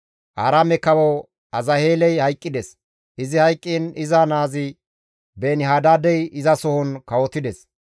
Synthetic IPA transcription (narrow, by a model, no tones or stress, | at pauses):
ʔaːɾaːmɛkɐwɔ | ɐzɐheːlɛjhɐjkʼːɪd̪ɛs | ʔɪzɪhɐjkʼːiːnɪzɐnaːzɪ | beːnɪɦaːd̪aːd̪ɛjɪzɐsɔhɔnkɐwɔt̪ːɪd̪ɛs